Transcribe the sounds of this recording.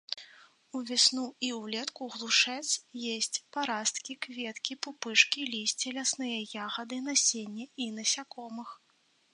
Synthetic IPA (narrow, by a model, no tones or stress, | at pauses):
uvʲɛsnuiwlʲɛt̪kuɣlˠuʂɛt̪sjesʲt͡sʲpaɾast̪kʲikvʲɛt̪kʲipupɨʂkʲilʲisʲt͡sʲilʲasnɨjɐjaɣɐd̪ɨnasʲenʲːɛinɐsʲakɔmɨx